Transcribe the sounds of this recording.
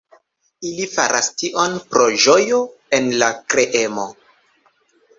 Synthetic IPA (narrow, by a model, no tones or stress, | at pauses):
ilifaɾʔastiʔo̞npɾo̞ʒo̞joe̞nlakɾe̞ʔemo̞̰